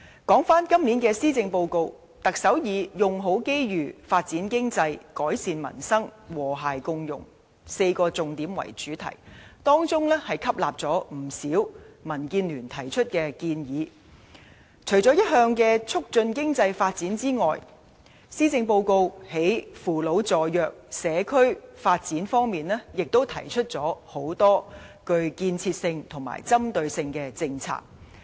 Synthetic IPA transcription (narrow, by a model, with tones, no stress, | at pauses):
kɔː˨˥ŋfaː˥nkɐ˥mliː˨˥nkɛː˧siː˥t͡sɪ˧ŋpo˧wko˧w | t̪ɐ˨k̚sɐ˨˥wjiː˨˧jʊ˨ŋɦo˨˥wke˥jɥyː˨faː˧t̚t͡siː˨˥nkɪ˥ŋt͡sɐ˧jkɔː˨˥jsiː˧nmɐ̰˨˩nsɐ˥ŋwɔː˨˩ɦaː˨jkʊ˧ŋjʊ̰˨˩ŋ | se˧jkɔː˧t͡sʊ˨ŋt̪iː˨˥mwɐ̰˨˩jt͡ʃyː˨˥t̪ʰɐ̰˨˩jt̪ɔː˥ŋt͡sʊ˥ŋlɛ˥hɐ˨jkʰɐ˥p̚la̰ː˨p̚t͡sɔː˨˥m̩˨˩siː˨˥wmɐ˨˩nkiː˧nlyː˨˩nt̪ʰɐ˨˩jt͡ʃʰɵ˥t̚kɛː˧kiː˧njiː˨˧ | t͡ʃʰɵ˨˩ɥt͡sɔː˨˥jɐ˥t̚hœː˧ŋkɛː˧t͡sʰʊ˥k̚t͡sɵ˧nkɪ˥ŋt͡sɐ˧jfaː˧t̚t͡siː˨˥nt͡siː˥ŋɔː˨j | siː˥t͡sɪ˧ŋpo˧wko˧whe˨˥jfuː˨lo˨˥wt͡sɔː˨jœː˨k̚sɛː˨˧kʰɵ˥ɥfaː˧t̚t͡siː˨˥nfɔː˥ŋmiː˨nlɛː˥jɪ˨k̚t̪o˥wt̪ʰɐ̰˨˩jt͡ʃʰɵ˥t̚t͡sɔː˨˥ho˨˥wt̪ɔː˥kɵ˧ɥkiː˧nt͡sʰiː˧t̚sɪ˧ŋt̪ʰʊ˨˩ŋma̰ː˨˩jt͡sɐ˥mt̪ɵ˧ɥsɪ˧ŋkɛː˧t͡sɪ˧ŋt͡sʰa̰ː˧k̚